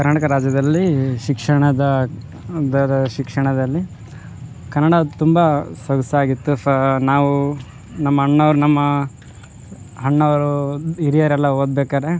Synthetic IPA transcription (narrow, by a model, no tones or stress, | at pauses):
kɐɾnaʈɐkɐɾaːd͡ʒjɐd̪ɐlːiʃikʂɐɳɐd̪ɐ | d̪ɐɾɐʃikʂɐɳɐd̪ɐlːi | kɐɾnːɐɽɐt̪umbɐsɐɡɐsɐaːɡit̪ːunaːʋu | nɐmːɐɦɐɳːɐʋɾunɐmːɐ | ɦɐɳːɐʋɐɾuiɾijɐɾɛlːɐoːd̪beːkaːɾe̞